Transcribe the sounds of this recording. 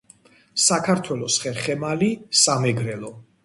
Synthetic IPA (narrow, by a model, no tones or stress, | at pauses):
sakʰaɾt̪ʰwɛlɔsχɛɾχɛmalisamɛɡɾɛlɔ